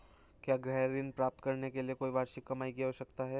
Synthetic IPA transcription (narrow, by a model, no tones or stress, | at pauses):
kjaːɡɾɛɦɾɪnpɾaːp̚t̪kɐɾnekeliekoːiʋaːɾʃɪkːɐmaːiɡijaɦoːʃɐkt̪aɦɛː